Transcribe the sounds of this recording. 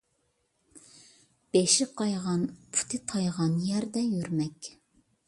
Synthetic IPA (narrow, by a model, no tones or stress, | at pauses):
b̥eʃɪqʰɑjʁɑnpʰu̥t̪ʰɨt̪ʰɑjʁɑnjɛɾd̪ɛjøɾmɛkʲ